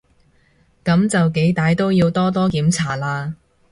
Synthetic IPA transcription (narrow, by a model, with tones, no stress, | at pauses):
kɐ˨˥mt͡sɐ˨wke˨˥jt̪aː˨˧jt̪o˥wjiː˧wt̪ɔː˥t̪ɔː˥kiː˨˥mt͡sʰaː˨˩laː˧